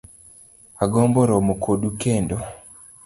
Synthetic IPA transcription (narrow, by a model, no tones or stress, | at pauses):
aɡɔmbɔɾɔmokʰodukendo